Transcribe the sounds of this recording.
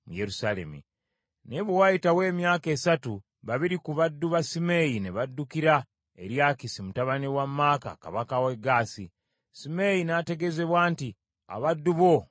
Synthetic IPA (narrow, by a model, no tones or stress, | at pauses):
muje̞ɾusale̞̰mḭ | neβuwajitawe̞ːmjaːke̞ːsatu | βaβiɾikuβadːuβasimejineβadːukiɾa | e̞̰ɾjaːkisimutaβanewamːaːka̰ka̰βakaweɡaːsi | simejinate̞ɡe̞ze̞βwaːnti | a̰βadːuβo̞